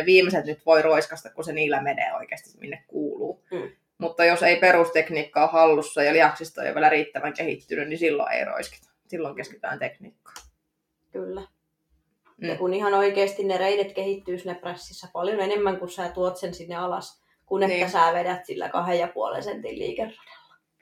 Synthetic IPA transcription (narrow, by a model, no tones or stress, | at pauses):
ʋiːmeset̪nyt̪ʋoiroiskɑst̪ɑkkuseniːlːæmenḛːo̰ikeːst̪i̥mḭnːekkuːluː | mut̪ːɑjoseiperust̪ekniːkːɑːhɑlːusːɑjɑliɑksist̪ɑḛjo̰ʋiælæriːt̪ːæʋæŋkehḭt̪ːynynnisilːo̰ḛiro̰iske̥t̪ɑ̥ | silːoŋkeske̥t̪æ̰ːnt̪ekniːkːɑ̥ː | kylːæ | jɑkunihɑnoikeːst̪innereidet̪kehit̪ːyːsinːepræsːisːæpɑljonenemːæŋkusæːt̪uot̪sensinːeɑlɑ̰s | kunenːæsæːʋedæt̪silːæ̰kɑhejjɑpuo̰lḛnsent̪illḭːkerːo̥d̥e̥lːɑ̥